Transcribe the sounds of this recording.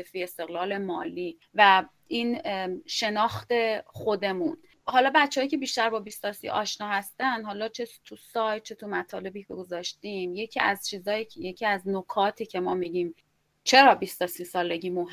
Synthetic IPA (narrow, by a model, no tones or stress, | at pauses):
efiːe̞st̪e̞ɣlɒːle̞mɒːliː | væ | ʔinʃe̞nɒːxt̪e̞χo̞d̪e̞mun | hɒːlɒːbæt̪t͡ʃʰːehɒjicʰe̞biːʃt̪æɾbɒːbist̪ɒsḭʔɒ̰ːʃnɒːhæst̪ænd̪ɦɒːlɒːt͡ʃʰet̪ʰusɒːj̚t͡ʃʰe̞t̪ʰumæt̪ʰɒːle̞biːcʰeɡozɒːʃt̪iːmje̞cʰiːæzt͡ʃʰiːzɒːjije̞cʰiːæznokʰɒːt̪ʰiːcʰe̞mɒːmiɟiːm | t͡ʃʰe̞ɾɒːbiːst̪osiːsɒːle̞ɟiːmoɦ